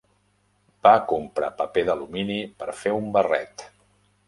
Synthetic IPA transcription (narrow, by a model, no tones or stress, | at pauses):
b̥akumpɾa̰pəpeðəluminipəɾfeumbərɛ̰t̪